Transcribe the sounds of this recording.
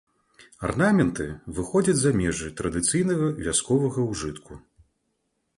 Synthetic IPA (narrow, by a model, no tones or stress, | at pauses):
a̰rnamʲɛnt̪ɨvɨxɔd͡zʲɐd͡zʲzamʲɛʐɨt̪ɾɐd̪ɨt̪sɨjnɐɣɐvʲaskɔvɐɣɐwʐɨt̪kʰu